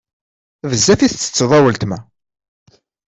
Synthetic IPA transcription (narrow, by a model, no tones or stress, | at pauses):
vəzːæfiθt͡sːə̥t͡sːðˤɑwəlt̪mæ